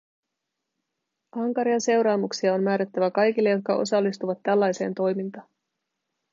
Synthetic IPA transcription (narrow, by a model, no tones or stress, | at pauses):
ʔɑŋkɑɾiɑnse̞wɾɑːmuksiɑo̞nmæːɾæt̪ːæʋækɑjk̟ilːejo̞t̪̚kɑʔo̞̰sɑlːist̪uʋɑt̪ːælːɑjse̞̰ːnt̪o̞jmint̪ɑːn